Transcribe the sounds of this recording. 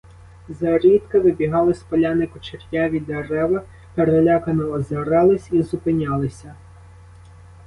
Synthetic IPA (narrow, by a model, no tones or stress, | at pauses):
zɐɾʲit̪kɐʋɪbʲiɦɑlˠɪspɔlʲanɪkʊt͡ʃerʲjaʋʲid̪eɾɛʋɐ | peɾelʲakɐnɔɔzɐɾɛlˠɪsʲizʊpɪnʲalˠɪsʲɐ